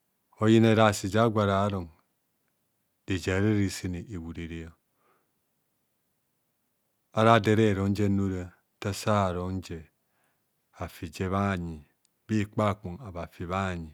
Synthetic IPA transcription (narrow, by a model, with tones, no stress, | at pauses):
o˦ji˦ne˦ɾa˨si˨d͡ʒa˦ɡʷa˨ɾa˨˦ɾo˨ŋ | de˨d͡ʒa˨ɾe˦ɾi˦˨si˦ni˨ʔe˨wu˨ɾe˨ɾi˨˦o˨ | a˦ɾa˦de˦ɾe˦˨ɾo˨˦n˦d͡ʒe˦nu˦ɾa˦ | ta˦sa˦˨ɾo˨˦n˦d͡ʒe˨ | a˨fi˨d͡ʒe˦βa˦˨ɲi˨ | bi˦k͡pa˦˨ku˨ŋa˨βa˨fi˨βa˦˨ɲi˨